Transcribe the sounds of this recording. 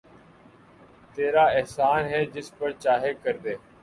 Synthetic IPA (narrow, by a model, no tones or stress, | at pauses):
t̪eːɾaːɛɦsaːnɦɛːd͡ʒɪspəɾt͡ʃaːɦeːkəɾd̪eː